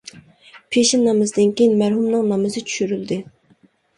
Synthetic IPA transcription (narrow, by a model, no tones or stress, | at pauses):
pʰeʃɪnːɑmɨzd̪ɪnkʲejinmæɾɦumnɨŋnɑmɨzɨt͡ʃʰy̥ʃyɾyld̪ɪ